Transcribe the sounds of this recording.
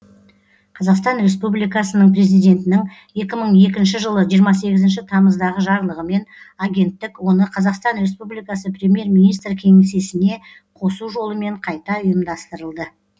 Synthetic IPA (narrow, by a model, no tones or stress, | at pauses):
qʰɑzɑqst̪ɑnɾe̞s̬publijkɑsənəɴpre̞zijd̪ʲe̞nt̪ɪnɪŋ | je̞kʲɪməɴe̞kʲɪnʃ̬ɪʒəlˠəʒijəɾmɑs̬e̞ɡʲɪzɪnʃɪt̪ʰɑməzd̪ɑʁəʒɑɾlˠəʁəme̞n | aɡʲe̞nt̪ːɪkwo̞nəqʰɑzɑqst̪ɑnɾe̞spublijkɑsəprʲe̞mje̞ɾminijst̪ɾkʲʰe̞ŋese̞sɪne̞ | qʰo̞suʒo̞lˠəme̞ɴqʰɑjt̪ɑʊjəmd̪ɑst̪əɾəlˠd̪ə